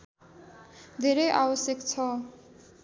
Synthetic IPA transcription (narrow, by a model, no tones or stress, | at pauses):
d̪ʱeɾejʔabʌsjekt͡sʰʌ